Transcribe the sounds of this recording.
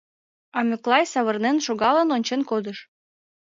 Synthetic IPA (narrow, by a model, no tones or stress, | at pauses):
ɑmʲøklˠɑjsɑβərnenʃoɣɑlə̆nonʲt͡ɕenkod̪əʃ